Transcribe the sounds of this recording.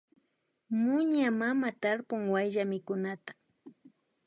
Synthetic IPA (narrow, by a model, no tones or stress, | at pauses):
mʊɲamamat̪aɾpʊŋwajʎamɪkʊnat̪ḁ